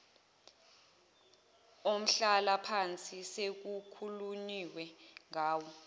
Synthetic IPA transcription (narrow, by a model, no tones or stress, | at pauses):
om̩ɬalapʰant͡sʼisek̬ukʰuluniwɛŋaːwɔ